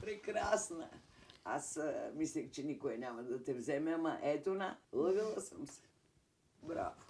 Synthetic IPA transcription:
pɾekɾaːsna̰ | asmislikt͡ʃinikoenamad̪at̪ɛvzɛmama̰ʔet̪unaləɡilˠasamsɛ̥ | bɾa̰ːʋo

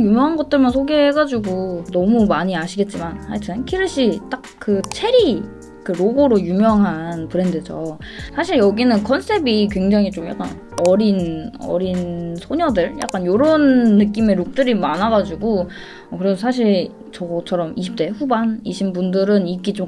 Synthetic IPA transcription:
jumjʌŋɦanɡʌt̚t͈ɯɭmansʰoɡeɦeɡad͡ʑuɡonʌmumaɲiaɕʰiɡe̞t̚t͡ɕ͈imanhaɭtʰɯnkʰiɾɯɕ͈ʰit͈ak̚k͈ɯt͡ɕʰe̞ɾi | kɯɾoɡoɾojumjʌŋɦanpɯɾe̞ndɯd͡ʑosʰaɕʰiɭjʌɡinɯnkʰʌnsʰe̞bikwe̞ŋd͡ʑaŋit͡ɕomja̰k͈a̰n | ʌɾinʌ̰ɾinsʰoɲʌdɯɭja̰k͈anjoɾʌnːɯk̬͈ime̞ɾuk̚t͈ɯɾimanɦaɡad͡ʑuɡo | ʌkɯɾesʰʌsʰaɕ̬ʰiɭ | t͡ɕʌɡʌt͡ɕʰʌɾʌmiɕʰip̚t͈e̞ɸubaniɕʰinbundɯɾɯnik͈it͡ɕ͈om

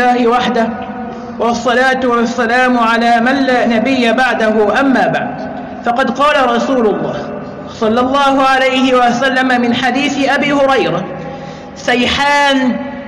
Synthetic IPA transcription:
aːhɪwaħd̪ah | wɑsˤːɑlaːt̪ʊwasːalaːmʕalaːmanlaːnabɪjːabaʕd̪aɦʊʔamːaːbaʕd̪ | fɑqɑd̪qɑːlaɾˤɑsuːlʊlˤːɑːh | sˤɑlːɑlˤːɑːhʊʕalajhɪwasalːamamɪnħad̪iːθɪʔabiːhʊɾɑjɾa | sajħaːn

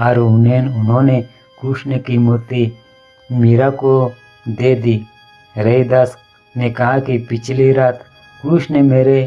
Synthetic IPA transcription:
ɐɾʊneːnʊnɦõːne | kuːʃnekimoːt̪i | meːɾako | d̪eːd̪iː | ɾɐid̪as | nekɐɦakipɪt͡ʃʰliɾaːt̪ | kuːʃnemeːɾe

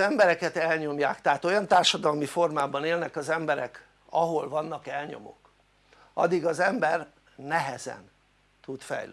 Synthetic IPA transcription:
ɛmbɛɾɛkɛt̪ɛlɲo̞mjaːkt̪ɛɦat̪o̞jɒnt̪aːrʃɒd̪ɒlmifo̞rmaːbɒneːlnɛkɒzɛmbɛɾɛ̰k | ɒɦo̞lvɒnːɒkɛlɲo̞̰mo̰k | ʔɒ̰d̪iɡɒzɛmbɛr | nɛɦɛzɛ̰n | t̪ut̪fɛ̰jlø

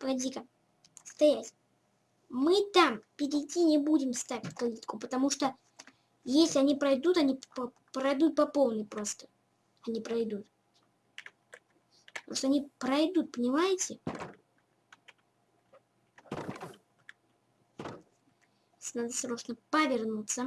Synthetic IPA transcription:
pɐdʲikə | st̪ɐjatʲ | mɨt̪ampʲɪɾʲɪtʲːinʲɪbudʲɪmst̪avʲɪtʲkɐlʲit̪kʊpət̪ɐmuʂt̪o | jesʲlʲɪɐnʲipɾɐjd̪ut̪ɐnʲip | pɾɐjd̪ut̪̚pɐpo̞lˠnɨjpɾo̞st̪ə̥ | ɐnʲipɾɐjd̪ut̪ | pt̪ɐmuʂt̪oɐnʲipɾɐjd̪ut̪̚pənʲɪmajɪtʲɪ | snad̪əst̪ɾoʂnəpəvʲɪrnut̪sə

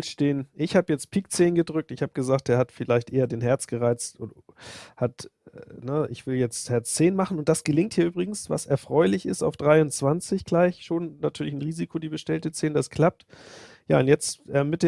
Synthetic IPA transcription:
steːnʔɪçhaːbəjɛt͡st̚pʰiːk̚t͡seːnɡədʁʏk̚tɪçhaːbəɡ̥əzaːkt̚d̥eːɐhatfɪlaɪçtʔeːɐdeːnɦɛɐt͡sɡ̥əʁaɪt͡stʔo | hatnəɪ̰çv̥ɪljɛt͡sthɛɐt͡st͡seːnmaχn̩ʊntd̥asɡ̥əlɪŋthiːɐyːbʁɪɡŋ̩sva̰sʔɛɐfʁ̥ɔʏlɪçɪsta̰ʊfd̥ʁaɪʊnt͡sv̥ant͡sɪçɡ̥laɪçʃoːnːatʰyːɐlɪçn̩ʁiːzikʰodiːbəʃtɛltət͡seːnədaskʰl̥ap̚t | ja̰ːʊntjɛt͡stʔɛmːɪt̚d̥eː

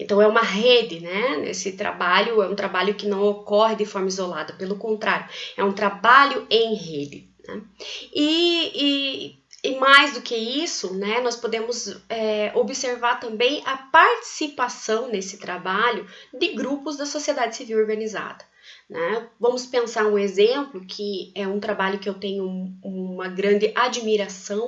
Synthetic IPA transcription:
ẽnt̪ɐ̃w̃ɛũmɐɦed̪ɪnɛnḛsɪt̪ɾa̰baʎʊɛũt̪ɾabaʎʊkɪnɐ̃w̃okɔɦɪd̪ɪfɔɾmɐizolad̪ɐpelʊkõnt̪ɾaɾjʊɛũt̪ɾabaʎʊẽj̃ɦed̪ɪnɛ̰ɪɪː | majzd̪ʊkɪisʊnɛnɔspod̪ẽmʊzɛobɪseɾvaɾt̪ɐ̃mbẽj̃ɐpaɾt͡ʃi̥sipasɐ̃w̃nesɪ̥t̪ɾabaʎʊd̪ɪɡɾupʊzd̪ɐsosied̪ad͡ʒɪsiviwoɾɡɐ̃niza̰d̪ɐ̥ | nɛvɐ̃mʊspẽsaɾũezẽmplʊkʰɪɛũt̪ɾabaʎʊkɪewt̪ẽɲʊumɐɡɾɐ̃nd̪ɪʔad͡ʒmiɾasɐ̃w̃

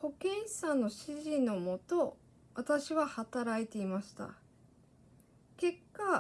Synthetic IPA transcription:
ho̞kẽ̞ɰ̃sãnːo̞ɕiʑino̞mo̞t̪o̞ | βat̪aɕiβahat̪aɾait̪e̞imaɕi̥t̪a̰ | ke̞kːa

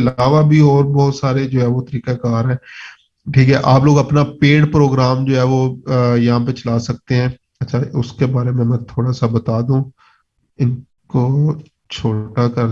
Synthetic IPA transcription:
ɪlaːʋabʱiɔːɾbɔːʊt̪saːɾed͡ʒoːɦɛːʋot̪əɾiːkakaːɾɦɛ̃ː | ʈʰiːkɦɛʔaːp̬loːɡɐpnapeːɽpɾoːɡɾaːmd͡ʒoːɛːʋojɐɦãːp̬et͡ʃɐlaːsɐk̚t̪eɦɛ̃ː | ɐtːʃʰaʊskebaːɾemẽmɛ̃t̪ʰoːɽasabɐt̪aːd̪ũː | ɪn | ko | t͡ʃʰoːʈakɐɾ

